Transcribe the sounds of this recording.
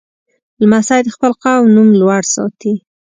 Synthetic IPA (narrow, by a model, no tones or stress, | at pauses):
ləmasajd̪əxpəlqawnumlwaɽsɑ̰t̪i